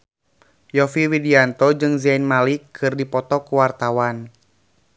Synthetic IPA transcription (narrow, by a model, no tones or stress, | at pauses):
jɔfiwidiant̪ɔd͡ʒɨŋzajnmalikʰɨrdipɔt̪ɔkuwart̪awan